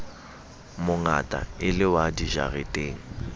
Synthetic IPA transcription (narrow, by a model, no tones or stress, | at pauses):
mʊŋa̰tʼa̰ɪlɪwadiʒa̰retʼeːŋ̩